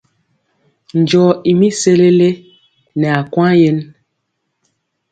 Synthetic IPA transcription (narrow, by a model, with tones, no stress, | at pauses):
n˨d͡ʒɔ˨i˨mi˦se˦le˦le˦ | nɛ˨a˨kwã˦je˦n